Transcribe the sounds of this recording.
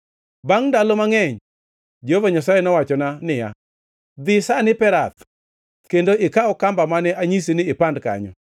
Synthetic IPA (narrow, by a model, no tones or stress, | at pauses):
baŋndalomaŋɛɲ | d͡ʒeovaɲasajɛnɔwat͡ʃɔnanɪja̰ | d̪ɪsanɪpɛɾat̪ | kendoʔɪkaɔkambamanɛʔaɲis̬inɪːpandka̰ɲɔ̰